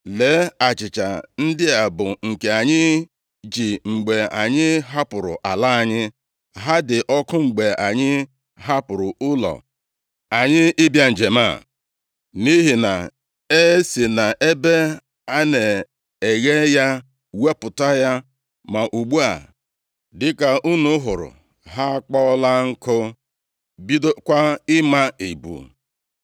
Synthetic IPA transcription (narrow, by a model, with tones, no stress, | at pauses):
le˨˦a˨t͡ʃɪ˨t͡ʃa˨n̩˦dɪ˦a˨bʊ˨ŋ̩˨ke˨a˨ɲɪ˦ | d͡ʒi˨ŋ͡m̩˨ɡ͡be˨a˨ɲɪ˦ɦa˦pʊ˨ɾʊ̰˨ʔa˨la˦˨ɲɪ˦ | ɦa˦dɪ˨ʔɔ˦kʊ˦ŋ͡m̩˨ɡ͡be˨ʔa˨ɲɪ˦ | ɦa˦pʊ˨ɾʊ˨ʊ˦lɔ̰˨ | a˨ɲɪ˦ɪ˦bja˨n̩˨d͡ʒe˨ma̰˦˨ | ni˦ɦi˨na̰˨ | e˦si˨na˨ʔe˦be˦ | a˦ne˨ | e˨ɣe˦ja˦ | we˦pʊ˨ta˦ja˦ | ma˨ʔu˨ɡ͡bu˦a̰˨ | dɪ˦ka˨u˦nu˦ɦʊ˨ɾʊ̰˨ | ɦa˦k͡pɔ˦la˦ŋ̩˦kʊ˦ | bi˦do˦kʷa˦ɪ˦ma˦i˨bṵ˨